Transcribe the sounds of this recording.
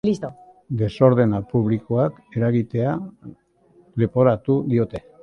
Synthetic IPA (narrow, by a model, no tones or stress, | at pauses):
list̪o | d̪e̞so̞ɾðe̞napuβliko̞ak | e̞ɾaɣit̪e̞a | lepo̞ɾat̪uðio̞t̪e̞